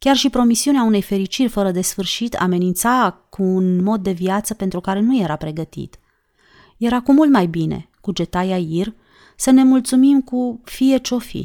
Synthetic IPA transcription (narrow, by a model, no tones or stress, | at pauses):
kʲarʃipɾo̞misiuneaune̞jfe̞ɾit͡ʃirʲfəɾəd̪e̞sfɨrʃit̪ʰa̰me̞nint̪sakuːnmo̞d̪̚ːe̞vjat̪səpe̞nt̪ɾukaɾe̞nuje̞ɾapɾe̞ɡət̪ḭt̪ | je̞ɾakumːult̪majbine̞̰ | kud͡ʒe̞t̪ajair | səne̞mult̪sumimkufije̞t͡ʃo̞fḭ